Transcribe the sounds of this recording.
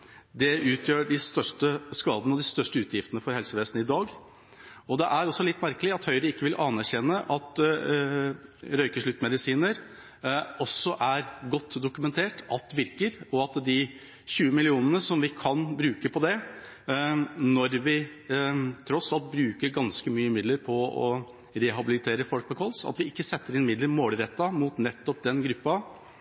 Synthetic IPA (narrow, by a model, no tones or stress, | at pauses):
d̪ɛʉːt̪ʰjøːɖɪst̪œʂʈəskɑːd̪ənəɔd̪ɪst̪œʂʈəʉːt̪ʰjɪft̪ənəfɔɾhɛlsəʋeːsn̩ɪd̪ɑːɡ | ɔd̪ɛʔæɾɔsːɔlɪt̪ːmæɾkəlɪɑt̪hœʏɾəɪkːəʋɪlʔɑnæɾɕɛnːəʔɑt̪ | ɾœʏkəʂɭʉt̪ːmɛd̪ɪsiːnəɾ | ɔsːɔʔæɾɡɔt̪ːd̪ʊkʉmɛnt̪ʰeːʈɑlt̪ʋɪɾkəɾɔɑt̪d̪ɪ | çʉːəmɪlɪuːnənəsɔmʋɪkʰɑnbɾʉːkəpʰɔd̪ɛ | nɔɾʋɪ | t̪ʰɾɔsɑlt̪̚bɾʉːkəɾɡɑnskəmyːəmɪd̪ləɾpʰɔɔ̰ | ɾɛɦɑbɪlɪt̪ʰeːɾəfɔlk̚pɔkʰɔlsɑ̰t̪ʋɪɪkːəsɛt̪ːəɾɪnmɪd̪ləɾmoːlɾɛt̪ːɑmut̪nɛt̪ːɔp̚d̪ɛnɡɾʉpːɑ